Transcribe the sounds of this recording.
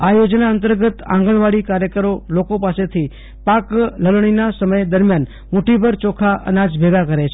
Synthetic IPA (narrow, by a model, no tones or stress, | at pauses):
ajod͡ʒnaənt̪əɾɡət̪ã̰ŋɡəɭʋaɽikaɾjəkəɾolokopaset̪ʰi | pakləlɳ̃inasəməjd̪əɾmjan | muʈibʱəɾt͡ʃɔkʰaʔə̰nad͡ʒbʱeɡakəɾet͡ʃʰ